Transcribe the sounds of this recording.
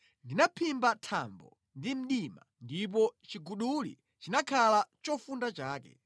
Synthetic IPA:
ndinapʰimbatʰa̰mbɔ̰ | ndim̩ɗima̰ndip̬ɔt͡ʃiɡuɗulḭ | t͡ʃinakʰalat͡ʃɔfundat͡ʃaːkɛ̰

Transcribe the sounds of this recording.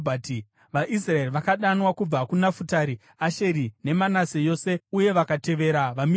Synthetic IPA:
bʱati | ʋaʔis̬raeriʋakaɗanwakub͡vakunafutaɾi | aʃe̞ɾine̞manasejo̞ːse̞uje̞ʋakate̞ʋe̞ɾaʋami

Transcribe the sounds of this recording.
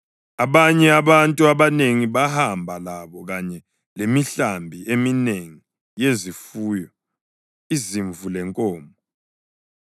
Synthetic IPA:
aβaɲɛaβantʼuaβaneŋiβahambʱalaβɔɣaɲɛ | lemiɬambʱiemineŋi | jezifuːjɔ | iziɱvulɛŋkʼɔːmbʱɔ

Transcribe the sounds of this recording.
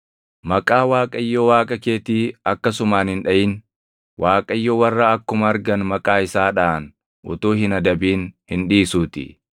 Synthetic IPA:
mɐkʼaːwaːkʼɐɪjːoːwaːkʼɐkeːt̪iːɐkːɐsʊmaːnhɪnᶑɐjɪn | wʔaːkʼɐjːoːwɐrːɐɐkːʊmɐɐɾɡɐnmɐkʼaːɪsaːᶑɐːn | ʔʊ̰t̪uːɦɪnɐd̪ɐbiːnhɪnᶑiːsuːt̪ɪ̰

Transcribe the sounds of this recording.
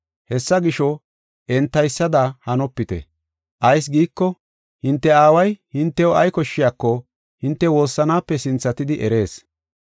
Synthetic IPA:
hɛsːɐɡɪʃɔ | ʔɛnt̪ːɐjsːɐd̪ahɐnɔpːɪt̪ɛ̰ | ʔɐjs̬ɡiːkːɔ | hɪnt̪ːɛaːwɐjhɪnt̪ːɛwɔɐjkɔʃːɪjaːkːɔ | hɪnt̪ːɛwo̞ːsːɐnaːpːɛsɪnt͡sːɐt̪ɪd̪ɪʔɛɾe̞ːs

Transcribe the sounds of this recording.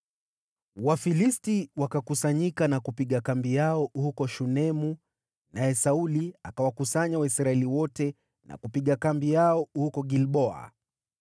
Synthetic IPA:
wafilistiwakakusaɲikanakupiɠakambijaɔhukɔʃunɛmu | najɛsauliakawakusaɲawaisɾaɛliwɔtɛ | nʔa̰kupiɠakambijaɔhukɔɡilɓɔa̰

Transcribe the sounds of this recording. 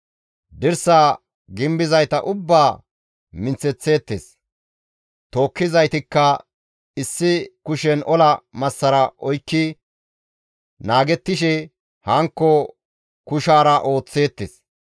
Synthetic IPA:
d̪ɪɾsaː | ɡɪmbɪzɐjt̪ɐ̰ʔʊbːaː | mɪnt͡sɛt͡sːe̞ːt̪ːḛːs | t̪o̞ːkːɪzɐjt̪ɪkːɐ | ɪsːɪkʊʃɛnʔɔlɐmɐsːɐɾɐʔɔjkːɪ | naːɡɛt̪ːɪʃɛ | hɐŋkːɔ | kʊʃaːɾɐʔo̞ːt͡sːe̞ːt̪ːḛːs

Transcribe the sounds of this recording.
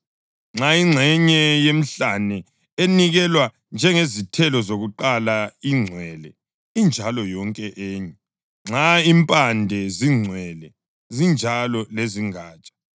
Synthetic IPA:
ŋ͡ǁʱaiŋ͡ǀʱɛɲɛjem̩ɬanɛ | eniɣɛlwa | nd͡ʒʱɛŋezitʰɛlɔzoɣuǃalaiŋ͡ǀʱwɛlɛ | ind͡ʒʱalɔjɔŋkʼɛʔeːɲɛ | ŋ͡ǁaimpʼandʱɛziŋ͡ǀʱwɛlɛ | zind͡ʒʱalɔleziŋaːt͡ʃʼḁ

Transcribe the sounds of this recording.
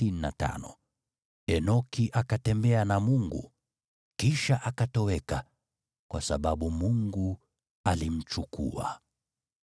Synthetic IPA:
inina̰ta̰nɔ | ɛnɔkiʔakatɛmbɛanamuŋɡṵ | kiʃaʔakatɔwɛka | kwa̰sa̰ɓaɓumuŋɡu | alim̩t͡ʃukṵa̰

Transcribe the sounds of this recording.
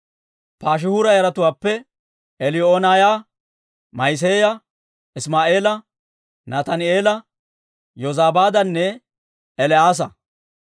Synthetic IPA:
paːʃ̬ɪhʊɾɐjɐɾɐt̪ʊwaːpːɛ | ɛlɪoːnaːja | mɐjs̬eːjɐ | ɪsmaːʔe̞ːlɐ | nat̪ɐnɪe̞ːlɐ | jɔzaːbaːd̪ɐnːɛ | ɛlɛaːs̬ɐ

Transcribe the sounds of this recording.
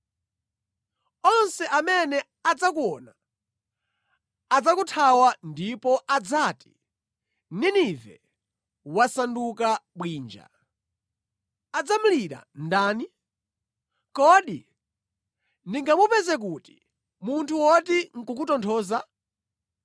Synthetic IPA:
ɔnsɛʔamɛnɛ | ad͡zakuɔna | ad͡zakutʰawandipɔʔad͡zaːti̥ | ninivɛ̰ | wasandukaɓwiːnd͡ʒa̰ | ad͡zamuliɾa̰ndaːni | kɔɗḭ | niŋɡamupɛzɛk̬uti̥ | muntʰuwɔtiŋ̩kukutɔntʰɔːza

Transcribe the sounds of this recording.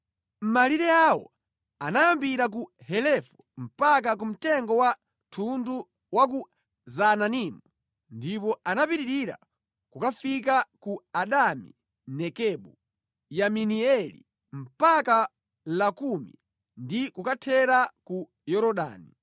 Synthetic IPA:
m̩maliɾɛawɔ̰ | anajambiɾak̬uhɛlɛfɔ̥m̩pak̬ak̬um̩tɛŋɡɔwa | tʰundu | wak̬u | zananimu | ndipɔanapiɾiɾiɾa̰ | kukafikakuaɗamḭ | nɛkɛɓu | jaminiɛlḭ | m̩paka | lakumḭ | ndikukatʰɛɾaku | jɔɾɔɗa̰ːni

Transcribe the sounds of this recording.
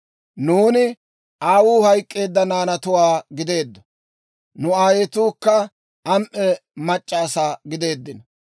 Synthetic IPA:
nuːnɪ | ʔaːwuːhɐjkʼːe̞ːd̪ːɐnaːnɐt̪ʊwaːɡɪd̪e̞ːd̪ːɔ̥ | nʊaːjet̪uːkːɐ | ɐmʔɛmɐt͡ʃʼːaːsaːɡɪd̪e̞ːd̪ːɪnɐ

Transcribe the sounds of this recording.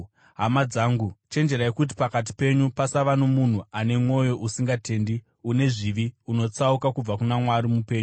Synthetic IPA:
ɦamad͡zaːŋɡut͡ʃe̞nd͡ʒe̞ɾaekut̬i̥pakat̬i̥pe̞ɲupasaʋanomun̤uʔane̞mwo̞jo̞ʔusiŋɡate̞ːndi | une̞ʐiʋiuno̞t͡saukakub͡vakunamwaɾimupe̞ːɲo

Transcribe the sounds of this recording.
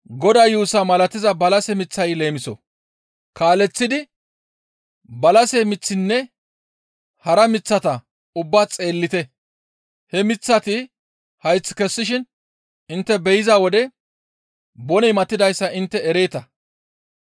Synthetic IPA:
ɡɔd̪ajuːsɐmɐlɐt̪ːɪzɐbɐlɐsɛmɪt͡sːɐjle̞ːmɪsɔ̰ | kaːlɛt͡sːɪd̪ɪ | bɐlɐsɛmɪt͡sːɪnːɛ | hɐɾɐmɪt͡sːɐt̪ɐ | ʊbːaːt͡sʼe̞ːlːɪt̪ɛ | hɛmɪt͡sːɐt̪ɪ | hɐjt͡sːkɛsːɪʃɪn | ɪnt̪ːɛbɛjɪzaːwɔd̪ɛ | bɔnɛjmɐt̪ːɪd̪ɐjsːɐʔɪnt̪ːɛɛɾe̞ːt̪ɐ

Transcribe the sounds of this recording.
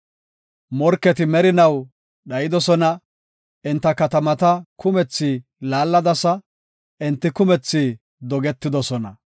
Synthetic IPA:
mɔɾkːɛt̪ɪmɛɾɪnɐw | ɗɐjɪd̪ɔsɔnɐ | ɪnt̪ːɐkɐt̪ɐmɐt̪ɐkʊmɛt͡sːɪ | laːlːɐd̪ɐsɐ | ʔɪnt̪ːɪkʊmɛt͡sːɪ | d̪ɔɡɛt̪ːɪd̪ɔsɔnɐ̰

